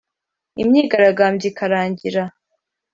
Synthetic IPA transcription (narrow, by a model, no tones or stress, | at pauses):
imɲiːɡaɾaɡaːmbjikʰaɾaːɲɟiɾa